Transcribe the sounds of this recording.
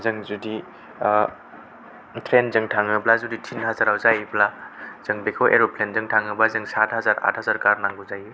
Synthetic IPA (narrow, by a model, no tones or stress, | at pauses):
zɯŋzudi | tʰɾenzɯŋtʰaŋɯblazuditʰinɦazaɾawzajblaz̥ɯŋbekʰawʔḛɾopʰlenzɯŋtʰaŋɯblazɯŋsatʰhazaɾa̰thazaɾkaɾnaŋɡɯzajɯ